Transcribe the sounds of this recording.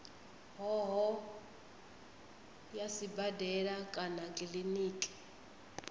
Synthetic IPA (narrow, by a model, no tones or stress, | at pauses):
ɦɔɦɔ | jasibadɛɺakʼanakʼiliniːkʼɛ̥